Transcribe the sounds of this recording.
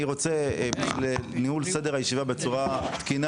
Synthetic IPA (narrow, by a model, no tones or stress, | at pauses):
iʁo̞t͡seblenihulse̞d̪eajeʃivabet͡suʁat̪kin